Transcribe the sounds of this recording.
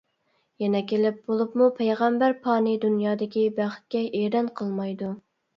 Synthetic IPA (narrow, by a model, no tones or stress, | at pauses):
jɛnɛkʲʰelɪp̚bolˠupmupʰejʁɛmbæɾpʰɑːnɨd̪unjɑːd̪ɪkʲibæχt̪̚kʲɛʔeɾɛnqʰəlˠmɑjd̪u